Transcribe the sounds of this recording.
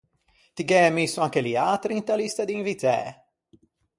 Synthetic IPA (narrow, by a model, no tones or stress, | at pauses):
t̪iɡɛːmisuaŋkɛliaːt̪ɾint̪alist̪ad̪invit̪ɛ̰ː